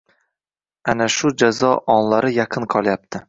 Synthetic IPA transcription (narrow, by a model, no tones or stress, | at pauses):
anaʃʊd͡ʒazɒʔɒnlaɾɪjɑqʰɨnqʰɒlˠjap̚t̪ʰɪ